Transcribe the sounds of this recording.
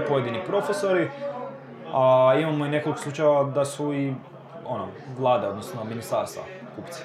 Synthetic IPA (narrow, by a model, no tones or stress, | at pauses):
po̞jed̪inipɾo̞feso̞ɾi | aimamoine̞ko̞likoslˠut͡ʃajʋad̪asui | ono | ʋlˠaːd̪eo̞d̪nosnominist̪aɾst̪va̰ | kupt̪si̥